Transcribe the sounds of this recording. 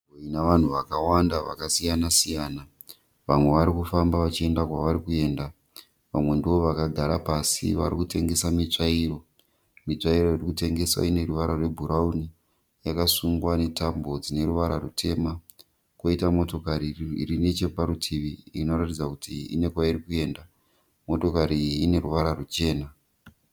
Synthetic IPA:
oinaʋan̤uʋakawandaʋa̰kasijanasijaːna | ʋamwe̞ʋaɾikufambaʋat͡ʃie̞ndakwaʋaɾikue̞ːnda | ʋa̰mwe̞ndio̞ʋakaɡʱaɾapasḭʋa̰ɾikute̞ŋɡe̞samit͡ʂairo̞ | mit͡ʂaiɾo̞irikute̞ŋɡe̞swa̰ine̞ruʋaɾarwe̞bʱuɾauni | jakasuŋɡwane̞tambo̞d͡zine̞ɾuʋaɾarutʰe̞ma | koitamo̞to̞kaɾirinet͡ʃe̞paɾutʰiʋiino̞ratid͡zakutʰiḭne̞kwaiɾikue̞ːnda | mo̞to̞kaɾiːne̞ɾuʋaɾarut͡ʃe̞ːna

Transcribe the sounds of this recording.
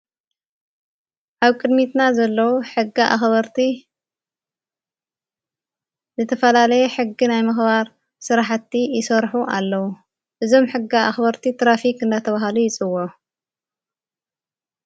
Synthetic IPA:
ʔaβkʼɨd̪mit̪nazɐlːɐwuħɨɡːiʔa̰xβɐɾt̪ʰi | zɨt̪ʰɐfɐlalɐjɛħɨɡːinajmɨxβaɾ | sɨɾaħt̪ːijɪsɐɾħuʔalːɐwu | ʔɨzo̞mħɨɡːiaʔaxbɐɾt̪ʰit̪ɾafikɨnd̪at̪ʰɐβahalujɪt͡sʼɨwo

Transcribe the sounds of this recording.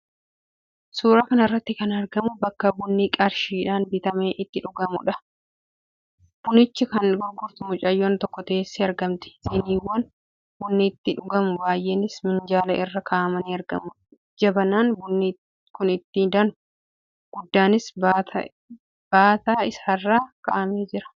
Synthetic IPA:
suːɾaːkɐnɐɪrːɐt̪ːɪkɐnɐɾɡɐmʊbɐkːɐbʊnːiːkʼɐɾʃiːᶑaːnbɪt̪ɐmeːʔɪt̪ːɪᶑʊɡɐmʊᶑɐ | b̥ʊnɪt͡ʃːɪkɐnɡʊɾɡʊɾt̪ʊmʊt͡ʃʼɐjːoːnt̪ɔkːɔt̪ɐeːsːiɐɾɡɐmt̪ɛ̥sɪniːwːɐn | bʊnːiːt̪ːɪᶑʊɡɐmʊbaːjʔeːnɪsmɪnd͡ʒaːlɐʔɪrːɐkʰɐʔɐmɐniːɐɾɡɐ̰mʊ | d͡ʒɐbɐnaːnbʊnːi | kʊnɪt̪ːɪd̪ɐnʊ̥ | ɡ̥ʊd̪ːaːnɪsat̪ɐ̰ | b̥aːt̪aːɪsaːrːaːkɐ̰ʔɐmeːd͡ʒɪɾɐ̥

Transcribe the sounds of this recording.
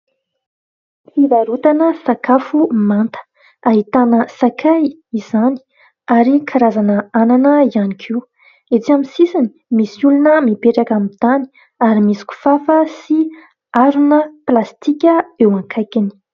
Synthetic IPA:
fivaɾut̪anəsakafumant̪ə̥ | aɦit̪anəsakʰaj | izani̥ | aɾikʰaɾazanəananəianikʰiu | et͡siamisisini̥misulunəmipeʈ͡ʂakamid̪ani̥ | aɾimisi̥kʲu̥fafəsi | aɾunəplast̪ikʲəewaŋkʰajkini̥

